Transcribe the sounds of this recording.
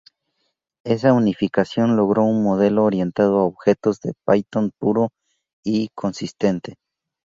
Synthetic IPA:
e̞saunifikasjo̞nlo̞ɣɾo̞unmoð̞e̞loːɾje̞nt̪að̞oaoβxe̞t̪o̞zðe̞̰pajt̪onpuɾo | ikʰo̞nsist̪e̞nt̪e

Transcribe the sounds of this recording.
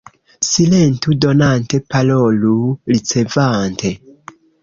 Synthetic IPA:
silentudo̞nante̞paloluɾit͡se̞vante

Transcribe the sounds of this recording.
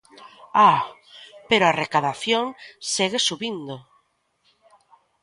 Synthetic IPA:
a | peɾoarekaðaθjoŋseɣesuβind̪o

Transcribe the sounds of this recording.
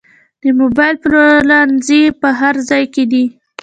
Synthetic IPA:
d̪̥əmobɑjlplolɑnzepəɦaɾzɑjked̪i

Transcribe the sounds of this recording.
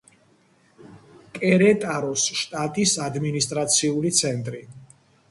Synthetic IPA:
kʼɛɾɛt̪ʼaɾɔsʃt̪ʼat̪ʼisad̪minist̪ʼɾat̪sʰiulit̪sʰɛnt̪ʼɾi

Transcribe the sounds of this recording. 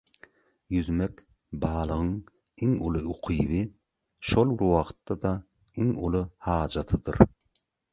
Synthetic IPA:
jyðmek | bɑːlˠɯʁɯŋ | iŋulˠuuqʰijβi | ʃolˠbɪɾwɑqt̪ːɑd̪ɑ | iŋulˠuhɑːd͡ʒɑt̪ʰɯd̪ɯ̰ɾ

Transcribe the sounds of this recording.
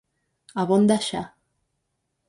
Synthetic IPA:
aβond̪aʃa

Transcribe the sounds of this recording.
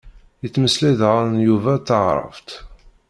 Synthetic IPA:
jət͡sːməsliðʁaɾnjuvæθəʁɾˤə̰vt̪

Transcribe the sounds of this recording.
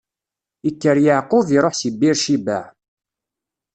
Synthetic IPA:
ikːəɾjaʕqʊviɾˤoħsibːiɾʃibæ̰ʕ

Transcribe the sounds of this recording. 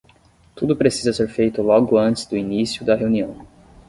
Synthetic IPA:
t̪ud̪ʊpɾesizɐseɾfejt̪ʊlɔɡʊɐ̃nt͡ʃɪzd̪ʊinisjʊd̪ɐɦeuniɐ̃w̃

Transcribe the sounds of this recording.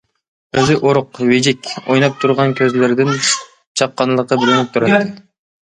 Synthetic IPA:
øzɪʔoɾʊqved͡ʒikʲojnɑp̚t̪ʰuɾʁɑnkʲʰøzlɪɾd̪ɪn | t͡ʃʰɑqːɑnlˠəqːɑbɪɾɪnɪk̚ʲt̪ʰuɾɑt̪ːɪ

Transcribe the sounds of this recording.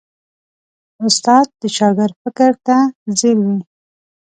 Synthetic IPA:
ʊst̪ɑd̪̚d̪ət͡ʃɑɡəɾfɪkəɾt̪azɪlwi

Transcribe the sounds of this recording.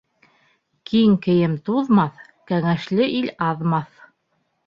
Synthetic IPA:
kiŋkɘ̆jɘmt̪uðmɑθ | kæŋæʃlɘʔilɑðmɑθ

